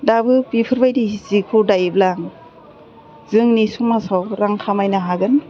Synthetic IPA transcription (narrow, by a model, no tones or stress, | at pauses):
dabɯpipʰɯɾbajdizikʰudajblaŋ | zɯŋnisuŋmasawɾaŋkʰamajnaɦaɡɯn